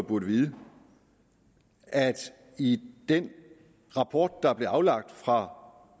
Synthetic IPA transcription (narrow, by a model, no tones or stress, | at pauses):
b̥uɐɾ̥əʋiːð̩ˠə | æd̥ | id̥en | ʁɑ̈pʰɒ̰ːd̥̚ːɑ̈b̥le̝ɑ̈ʊlɑ̈ɡ̥̚d̥fʁɑ̈